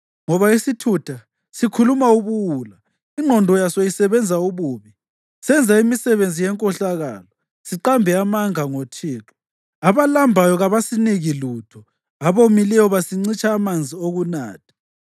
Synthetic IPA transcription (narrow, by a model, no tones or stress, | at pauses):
ŋɔβaisitʰutʰa | sikʰulumauβuwula | iŋ͡ǃʱɔndʱɔjasojisɛβɛnd͡zʱauβuːβi | sɛnd͡zʱaimisɛβend͡zʱijɛŋkʼɔɬaɣa̰ːlɔ | siǃambʱɛamaŋaŋotʰiːǁɔ̥ | aβalambʱajɔɣaβasiniɣilutʰɔ | aβomilɛjɔβasiŋ͡ǀit͡ʃʼaːmand͡zʱioɣuna̰ːtʰḁ